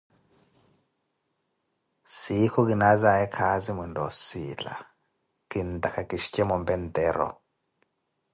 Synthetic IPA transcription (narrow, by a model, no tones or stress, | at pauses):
sikʰɔk̬ʼinazaɛkʰazimundɔsila̰ | kind̪akʰakʼiʃi̥t͡ʃʼɛmɔmbɛnd̪ɛːɾɔ̰